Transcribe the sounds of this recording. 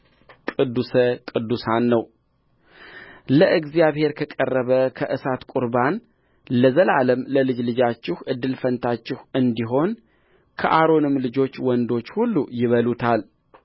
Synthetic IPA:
kʼɨd̪ːusəkʼɨd̪ːusanːəw | ləʔɨɡzijaβhe̞ɾkʰəkʼərːəβəkʰəʔɨsat̪kʼuɾban | ləzəlaləmləlɨd͡ʒlɨd͡ʒat͡ʃːɪhʔɨd̪ːɨlfənt̪ʰat͡ʃːɪhɨnd̪iɦo̞n | kʰəʔaɾo̞nɨmlɨd͡ʒo̞t͡ʃːwɔnd̪o̞t͡ʃːhulːujɪβəlut̪ʰal

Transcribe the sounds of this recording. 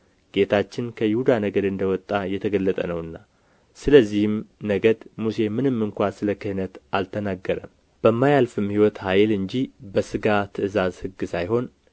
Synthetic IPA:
ɡ̥e̞t̪ʰat͡ʃːɪnkʰəjɪhud̪anəɡəd̪ɨnd̪əwɔt̪ʼːajɛt̪ʰəɡəlːət̪ʼənəwɨnːa | sɨləzːihɨmnəɡəd̪muse̞mɨnɨmːɨŋkʷasɨləkɨhɨnət̪ʔalt̪ʰənaɡːəɾə̰m | b̥əmːajalfɨmhiwɔt̪hajlɨɲd͡ʒibəsɨɡat̪ʰɨʔɨzazhɨɡːɨsajɦo̞n

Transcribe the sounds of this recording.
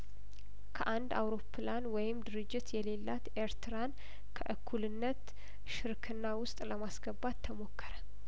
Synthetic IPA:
kʰəʔand̪a̰wɾo̞pʰːlanwɔjɪmd̪ɨɾɨd͡ʒːɪt̪jɛle̞lːat̪ʔe̞ɾt̪ʰɨɾan | kʰəʔɨkʰːulɨnːət̪ | ʃɨɾkʰɨnːawʊst̪ʼləmasɡəbad̪t̪ʰːəmo̞kʰːəɾə

